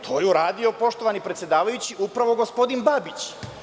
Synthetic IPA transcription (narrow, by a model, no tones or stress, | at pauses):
t̪ʰo̞ːjeuɾaːd̪ijo̞po̞ʃt̪o̞ʋanipɾet̪sʲje̞d̪aːʋajut͡ɕiʔupɾaʋo̞ɡo̞spo̞d̪inbabit͡ɕ